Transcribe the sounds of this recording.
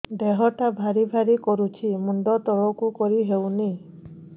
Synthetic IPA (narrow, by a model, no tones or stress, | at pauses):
d̪eɦɔʈabʱaɾibʱaɾikɔɾut͡ʃʰimuɳɖɔt̪ɔɭɔkukɔɾiɦewni